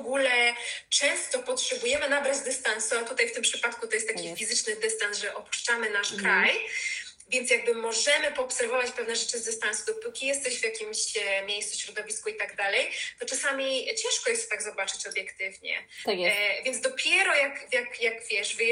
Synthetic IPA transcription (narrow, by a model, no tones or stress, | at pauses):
ɡulɛt͡ʂɛ̃nst̪ɔpɔtʂɛbujɛmɘnabɾad͡ʑd̪ɨst̪ansuat̪ut̪ajft̪ɘmpʂɘpat̪kut̪ɔjɛst̪ːakʲifʲizɘt͡ʂnɘd̪ɛst̪ansʐɛʔɔpu̥ʂt͡ʂamɘnaʂkɾaj | vʲjɛnt̪sjaɡ̚bɘmɔʐɛmɘpɔːpsɛɾvɔvat͡ɕpɛvnɛʐɛt͡ʂɘzd̪ɨst̪ansud̪ɔpukʲijɛst̪ɛɕvʲjakʲimɕmʲjejssuɕɾɔd̪ɔvʲiskuit̪aɡd̪alɛjt̪ɔt͡ʂasamʲit͡ɕɛ̃nʂkɔjɛst̪t̪aɡzɔbat͡ʂɘt͡ɕɔbʲjɛkt̪ɘvɲɛ̰ | vʲjɛnzd̪ɔpʲjɛɾɔjakjakjakvʲjɛʂv